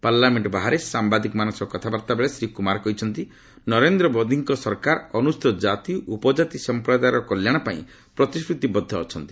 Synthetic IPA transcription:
paɾlameɳʈɔbaɦaɾesambad̪ikmanɔsɔkɔt̪ʰabaɾt̪abeɭesɾikumaɾɔkɔɦit͡ʃʰɔnt̪i | nɔɾend̪ɾɔbɔd̪ʱiŋkɔsɔɾkaɾɔnust̪ɔd͡ʒat̪iʔupɔd͡ʒat̪isɔmpɾɔd̪ajɾɔkɔljaɽ̃ɔpaḭ̃ | pɾɔt̪iskɾut̪ibɔd̪ʱːɔːt͡ʃʰɔnt̪i̥

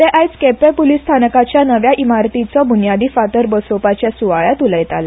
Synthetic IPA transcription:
t̪eʔajt͡skepepulist̪ʰanəkat͡ɕjanəʋjaʔimaɾt̪it͡sɔbʱunjad̪iːfat̪əɾbəsopat͡ɕjasuʋaɭat̪uləjt̪ala

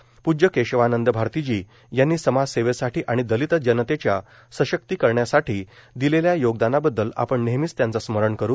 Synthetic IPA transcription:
pud͡ʑəkeɕʋanənd̪əbʱaɾt̪id͡ʑiː | janːiːsəmad͡zseʋesaʈiːʔaɽ̃id̪əlit̪əd͡ʑənət̪et͡ɕja | səɕək̚t̪iːkəɾɳjasaʈiːd̪ileljajoɡd̪anabəd̪ːəla̰pəɳneɦmit͡st̪jãnt͡sasməɾəɳkəɾu

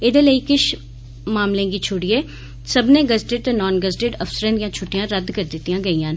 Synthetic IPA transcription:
ɪd̪eːləiːkɪʃ | maːmlẽːɡiːt͡ʃʰʊɽiːɛː | səbnẽːɡəzʈɪɖt̪enɔːnɡəzʈɪɖəfsəɾẽːd̪ɪjãːt͡ʃʰʊʈːijãːɾəd̪kəɾd̪ɪt̪ːijãːɡəiːãːn

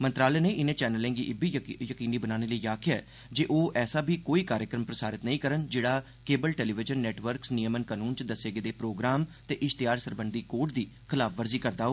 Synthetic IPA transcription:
mənt̪ɾaːlɛːnẽːʔɪnẽːt͡ʃɛːnəlẽːŋɡiːʔɪbiːjəkiːniːbənaːneːləiːaːkʰɪjaɛː | d͡ʒeːʔoːʔɛːsaːbʱiːkoːiːkaːɾjəkɾəmpɾəsaːɾɪt̪nəĩːkəɾənd͡ʒeːɽaː | keːbəlʈɛːliːʋɪd͡ʒənːɛːʈʋəɾksnijəmənkənuːnt͡ʃd̪əseːɡeːd̪eːpɾoːɡɾaːmt̪eːʔɪʃt̪ɪjaːɾsəɾbənd̪iːkoːʈd̪iːkʰɪlaːfʰʋəɾziːkəɾd̪aːɦoː

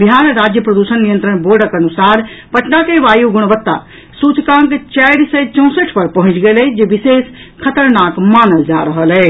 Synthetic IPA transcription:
biɦaɾɾad͡ʒjəpɾəd̪usənːijə̃nt̪ɾəɽ̃boɖəkənusaɾpəʈnakeʋajuɡuɽ̃bət̪ːa̰ | sut͡ʃkãŋkt͡ʃajɾsəjt͡ʃə̃w̃səʈʰpəɾpəɦũt͡ʃɡelɛd͡ʒebises | kʰət̪əɾnakmanəld͡ʒaɾəɦəlɛ

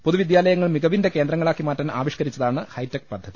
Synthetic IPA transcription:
poðuʋid̪jaːlɐjɐŋːɐɭmiɣɐʋinde̞ke̞ːnd̪rɐŋːɐɭaːkːimaːtːɐna̰ːʋiʂkɐɾit͡ɕːɐðaːɳɨhɐjtːek̚pɐd̪ʱːɐði

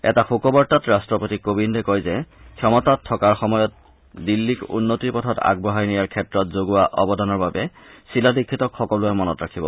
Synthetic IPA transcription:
ɛ̰taxukɔbɔɹtatɹastɹɔpotikobindɛkɔjzɛkʰjɔmɔtatʰːɔkaɹxɔmɔjɔt̚ | dilːikṵnːotiɹpɔtʰɔta̰ɡ̚bɔɦajnijaɹkʰɛtɹɔtzoɡʊwaʔɔbɔdɔnɔɹbabɛ | siladikʰːitɔkxɔkɔlʊɛmɔnɔtɹakʰibɔ̰

